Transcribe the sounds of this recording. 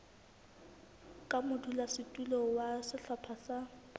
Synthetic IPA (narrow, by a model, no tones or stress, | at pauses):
kʼamʊdʰulasɪtʼulɔwasɪɬapʰasa